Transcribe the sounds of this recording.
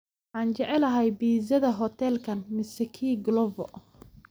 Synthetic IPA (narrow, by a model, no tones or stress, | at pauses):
ħɑːnt͡ʃɛʕɛlɐɦɐjbiːzɐðɐɦɔt̪ʰɛlkʰɐnmɪsɛkʰiːɡlɔvɔ